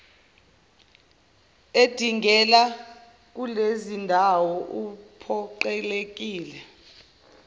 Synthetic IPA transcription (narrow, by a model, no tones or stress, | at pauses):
ed̥ʱiŋɡɛla | k̬ulezindʱawɔʔupʰɔǃɛlek̬iːlɛ